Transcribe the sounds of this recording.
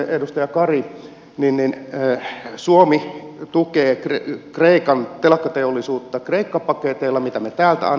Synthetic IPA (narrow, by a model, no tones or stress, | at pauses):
edust̪ɑjɑkɑri | ninninː | suomit̪ukeːkrekreikɑnt̪elɑkːɑt̪eolːˑisuːt̪ːɑkreikːɑpɑket̪eilːɑmit̪æmet̪æːlt̪æ̰ɑ̰n